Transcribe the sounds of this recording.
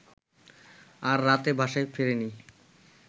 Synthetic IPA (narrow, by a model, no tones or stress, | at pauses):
aɾːat̪ebʱaʃaefeɾeni